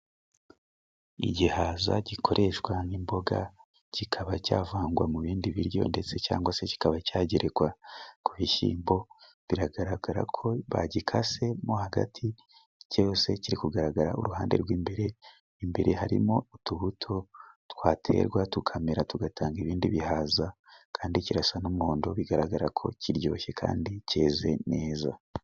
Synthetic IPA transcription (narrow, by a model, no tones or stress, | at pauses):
ḭɟihaza̰ɟikʰo̞ɾʔe̞ʃwanimbo̞ɡa | cikʰaβacaːvaːŋɡwamuβiːndiβiɾjo̞̰nde̞t͡se̞ca̰ːŋɡwase̞ci̥kaβacaːɟeɾeɡwakuβiʃḭːmbo̞ | βiɾaɡaɾaɡaɾa̰kʰo̞βa̰ɟikʰase̞mohaɡa̰tʰi | cose̞ciɾikuɡaɾaɡaɾaʔo̰ɾuɦaːnde̞̰ɾɡwiːmbe̞ɾe̞ | imbeɾe̞ɦaɾḭmo̞utuβutʰo̞twaːtʰe̞̰ːɾɡwatukʰameɾatuɡatʰaːŋɡiβiːndiβihaza | kʰaːndiciɾasanumoːndoβiɡaɾaɡaɾakʰo̞̰ciɾjo̞̰ːçe̞kʰa̰ːndice̞ːze̞ne̞ːza̰